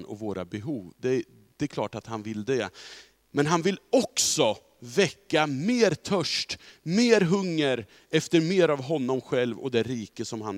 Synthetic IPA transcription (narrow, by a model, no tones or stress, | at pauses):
nʔɔ̰voːɾa̰bɛɦuːvd̪ɛ | d̪̥ɛkʰlɑ̰ːʈat̪hanvɪld̪ɛ | mɛnɦanvɪlɔksɔ | vɛkːameːɾt̪ʰœʂʈmeːɾɦɵŋːəɾ | ɛft̪əɾmeːɾavɦɔnːɔmɧɛlvɔ̰d̪ɛɾiːkəsɔmɦan